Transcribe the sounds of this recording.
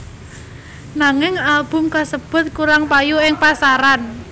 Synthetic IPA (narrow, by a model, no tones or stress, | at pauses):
naŋɪŋalb̥ʊ̤mkasəb̥ʊ̤t̪̚kuɾaŋpajuɪŋpasaɾan